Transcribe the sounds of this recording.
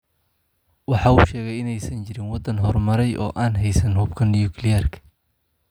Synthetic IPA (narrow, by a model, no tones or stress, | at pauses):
wɑħɑːuːʃɛːɣɛjɪnɛjsɐnt͡ʃɪɾɪnwɑd̪ɐnɦɔrmɐɾɛjʔɔ̰ːʔaːnɦɛjsɐnhʊbkʰɐnːjukʰlɪjɛrkʰɐ̥